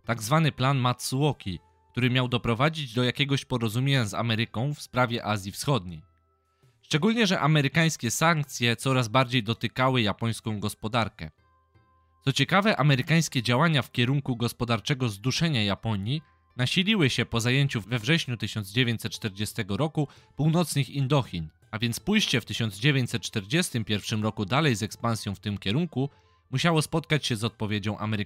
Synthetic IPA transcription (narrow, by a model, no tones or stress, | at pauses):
t̪aɡzvanɘplanmat̪suwɔkʲi | k̚t̪uɾɘmʲjawd̪ɔpɾɔvad͡ʑid͡ʑd̪ɔjakʲɛɡɔɕpɔɾɔzumʲjeɲaza̰mɛɾɘkɔ̃w̃fspɾavʲjɛʔazʲjifsxɔd̪̚ɲej | ʂt͡ʂɛɡulɲɛʐɛʔamɛɾɘkaj̃skʲɛsaŋk̚t̪sʲjɛt̪sɔɾazbaɾd͡ʑejd̪ɔt̪ɘkawɘjapɔj̃skɔ̃w̃ɡɔspɔd̪aɾkɛ̰ | t̪sɔt͡ɕɛkavɛʔamɛɾɘkaj̃skʲɛd͡ʑawaɲafkʲɛɾuŋkuɡɔspɔd̪aɾt͡ʂɛɡɔzd̪uʂɛɲajapɔɲji | naɕilʲiwɘɕɛpɔzajeɲt͡ɕuvɛvʐɛɕɲut̪ɘɕɔnd̪zd͡ʑevʲjeɲt͡ɕsɛt̪̚t͡ʂt̪ɛɾd͡ʑɛst̪ɛɡɔɾɔkupuwnɔt̪sɲixind̪ɔxʲin | avʲjɛnt̪spujɕt͡ɕɛft̪ɘɕɔnzd͡ʑevʲjeɲt͡ɕʲsɛt̪̚t͡ʂt̪ɛɾd͡ʑɛst̪ɘmpʲjɛɾfʂɘmɾɔkud̪alɛjzɛkspãnsʲjɔ̃w̃ft̪ɘmkʲɛɾuŋku | muɕawɔspɔt̪kat͡ɕɕɛzɔt̪̚pɔvʲjed͡ʑɔ̃w̃ʔa̰mɛɾ